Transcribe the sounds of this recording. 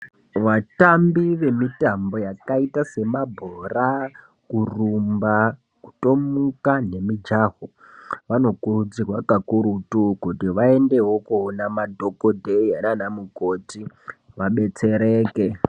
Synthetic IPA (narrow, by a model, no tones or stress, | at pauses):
ʋatambiʋe̞mitambo̞jakaitase̞mabʱora | kurumba | ku̥to̞mukane̞mid͡ʒaːɦo | ʋano̞kurud͡zirwakakuɾutukutiʋae̞nde̞ɦokuonamadʱo̞kodʱeiananamuko̞ti | ʋaɓe̞t͡se̞ɾeːke